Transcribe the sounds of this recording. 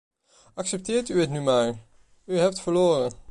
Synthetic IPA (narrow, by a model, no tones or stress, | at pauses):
ɑksɛp̚tɪːɹtyətnymaːɹ | yɦɛp̚tfəɹloːrə